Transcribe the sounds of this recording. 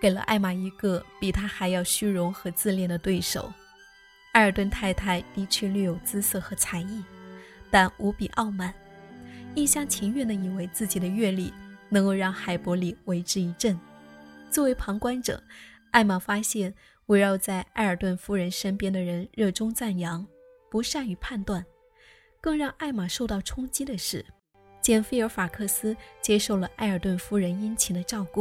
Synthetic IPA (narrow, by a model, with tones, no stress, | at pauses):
ke˨˩ɪlə̰˦ʔa̰˥˩ɪma˨˩i˧˥ɡə˥˧pi˨˩t̪ʰa˥xa˧˥ɪjɑ˥˧ʊɕy˥ɻʊ˧˥ŋxɤ˧˥t͡sɹ̩˥˧ljɛ˥˩nd̪ə˩t̪we˥˩ɪʂo̰˨˩˦ʊ | a˥˧ɪə˞˨˩t̪wə˥˧nt̪ʰa˥ɪt̪ʰa˥˩ɪt̪i˥˧t͡ɕʰɥɛ˥˧ly˥˩jo˨˩ʊt͡sɹ̩˥sɤ˥˩xɤ˧˥t͡sʰa˧˥ɪi˥˩t̪a˥˩nu˧˥pi˨˩ʔɑ˥˧ʊma˥˩n | i˥˩ɕjɑ˥ŋt͡ɕʰi˧˥ŋɥɛ˥˩nd̪ə˩i˨˩we˧˥ɪt͡sɹ̩˥˩t͡ɕi˨˩d̪ə˦ɥɛ˥˧li˥˩nɤ˧˥ŋko˥˧ʊɻɑ˥˩ŋxa˨˩ɪpwɔ˧˥li˨˩we˧˥ɪʈ͡ʂɻ̩˥i˧˥ʈ͡ʂə˥˩nt͡swɔ˥˩we˧˥ɪpʰɑ˧˥ŋkwa˥nʈ͡ʂɤ̰˨˩˦ŋ | a˥˩ɪma˨˩fa˥ɕjɛ˥˩n | we˧˥ɪɻɑ˥˧ʊt͡sa˥˧ɪʔa˥˩ɪə˞˨˩t̪wə˥˩nfu˥ɻə˧˥nʂə˥npjɛ˥nd̪ə˨ɻə˧˥nɻɤ˥˩ʈ͡ʂʊ˥ŋt͡sa˥˩njɑ˧˥ŋ | pu˧˥ʂa˥˩ny˧˥pʰa˥˧nt̪wa˥˩n | kɤ˥˧ŋɻɑ˥˧ŋʔa˥˩ɪma˨˩ʂo˥˧ʊt̪ɑ˥˩ʊʈ͡ʂʰʊ˥ŋt͡ɕi˥d̪ə˨ʂɻ̩˥˩ | t͡ɕjɛ˥˩nfe˥ɪə˞˧˥fa˨˩kʰɤ˥˩sɹ̩˥t͡ɕjɛ˥ʂo˥˩ʊlə˩ʔa˥ɪə˞˨˩t̪wə˥˩nfu˥ɻə˧˥ni˥nt͡ɕʰi˨˩d̪ə˧˦ʈ͡ʂɑ˥˧ʊku˥˩